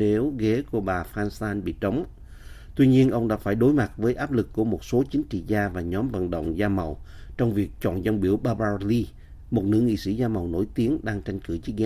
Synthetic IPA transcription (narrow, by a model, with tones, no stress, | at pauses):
ne˨˦wɣe˨˦ku˧˩əɓaː˨˩faː˧nsaː˧nɓḭ˧˨t͡ɕə˨˦wŋ͡m | t̪wi˧ɲi˧ənʔə˧wŋ͡mɗa̰ː˧˥faː˧˩jɗo˨˦jma˨˩t̚vəː˨˦jʔaː˦˥p̚lɨ˨˩kːu˧˩əmo˨˩t̚so˨˦t͡ɕï˨˦ŋ̟t͡ɕḭ˧˨zaː˧vaː˨˩ɲɔ˨˦mvə̰˧˨nɗə̰˧˨wŋ͡mzaː˧mə˨˩wt͡ɕɔ˧wŋ͡mvi˨˩ək̚t͡ɕɔ̰˧˨nzə˧nɓi˧˩əwɓaː˧ɓaː˧li˧ | mo˨˩t̚nɨ̰˧˥ŋḭ˧˨sḭ˧˩zaː˧mə˨˩wno̰˧˩jt̪i˨˦ənɗaː˧ŋt͡ɕa˧jŋ̟kɨ˧˩t͡ɕi˦˥ɣɛ˨˦